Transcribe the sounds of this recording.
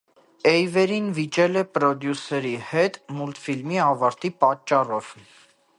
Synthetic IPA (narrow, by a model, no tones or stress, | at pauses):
ɛjvɛɾinvit͡ʃɛlɛpɾɔd̪jusɛɾihɛt̪mult̪filmiɑvɑɾt̪ipɑt͡ʃːɑrɔv̥